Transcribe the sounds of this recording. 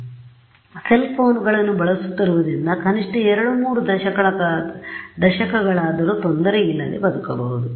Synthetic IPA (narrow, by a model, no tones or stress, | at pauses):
se̞lpʰo̞ːnɡɐɭɐnːubɐɭɐsu̥t̪ːiɾuʋud̪ɾind̪ɐkɐniʂʈɐɛɾɐɽumuːɾud̪ɐʃɐkɐɭɐ | d̪ɐʃɐkɐɡɐɭaːd̪ɐɾuːt̪ond̪ɐɾejilːɐlḭbɐd̪ukɐbɐɦud̪u